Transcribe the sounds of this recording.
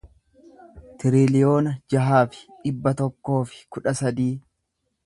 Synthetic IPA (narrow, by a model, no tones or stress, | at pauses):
t̪ɪɾɪlɪjo̞ːnɐd͡ʒɐɦaːfɪ̥ᶑɪbːɐt̪ɔkːo̞ːfɪ̥kʊᶑɐsɐd̪iː